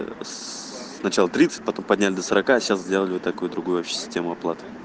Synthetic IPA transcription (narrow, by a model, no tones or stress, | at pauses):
s | nɐt͡ɕalˠət̪ɾʲit̪sɨ̥t̚ʲpɐt̪o̞mpɐdʲnʲælʲɪd̪əsəɾɐkaɕaszʲdʲe̞lˠəlʲɪvot̪ːɐkujʊd̪ɾʊɡujʊɐpɕʲɪ̥sʲɪ̥sʲtʲe̞mʊɐplˠat̪ɨ̥